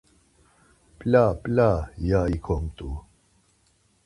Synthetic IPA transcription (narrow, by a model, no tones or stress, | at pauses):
plʲapʼlʲajaikʰɔŋt̪u